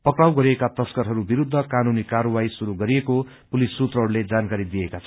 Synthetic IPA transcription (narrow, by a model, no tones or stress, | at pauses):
pʌkrawɡʌɾiekat̪ʌskʌɾɦʌɾubiɾud̪ʱːʌkanunikaɾʌwajsuɾuɡʌɾieko | pulisːut̪rʌɦʌɾuled͡zankaɾid̪ijekat͡sʰʌ